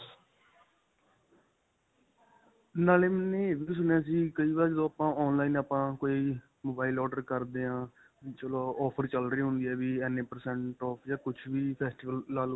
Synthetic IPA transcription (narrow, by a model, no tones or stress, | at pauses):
naːleːmɛnẽːeʋis̬ʊnjãːs̬iːkəiːʋaːɾd͡ʒd̪õːaːpãːɔːnlaːiːnaːpãːkoːiː | moːbaːɪlɔːɖəɾkəɾd̪eːãː | t͡ʃəloːɔːpʰəɾt͡ʃəlɾiːɦʊ̃nd̪iːɛːʋiːɛːnːeːpəɾsɛ̃ɳʈɔːpʰd͡ʒaːkʊt͡ʃʰʋiːpʰɛːsʈiːʋəllaːl